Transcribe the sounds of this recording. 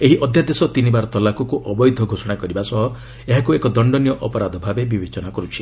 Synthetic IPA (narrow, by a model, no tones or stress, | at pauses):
eɦiʔɔd̪ʱjad̪esɔt̪inibaɾɔt̪ɔlakɔkuʔɔbɔjd̪ʱɔɡʱosɔɽ̃akɔɾibasɔɦɔ | eɦakuekɔd̪ɔɳɖɔnijɔʔɔpɔɾad̪ɔbʱabebibet͡ʃɔnakɔɾut͡ʃʰi̥